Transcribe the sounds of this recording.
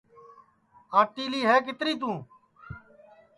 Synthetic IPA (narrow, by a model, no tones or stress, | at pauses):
aːʈiːliːɦɛːk̬ɪt̪ɾiːt̪ũː